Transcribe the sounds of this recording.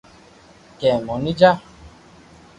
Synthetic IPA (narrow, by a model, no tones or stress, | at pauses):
kɛmɔ̃nĩd͡ʒa